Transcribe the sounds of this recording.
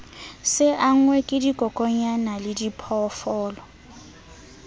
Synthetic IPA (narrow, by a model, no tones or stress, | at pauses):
sɪʔaŋ̩wɛkʼɪdikʼɔkʼɔɲanalɪdipʰɔfɔːlɔ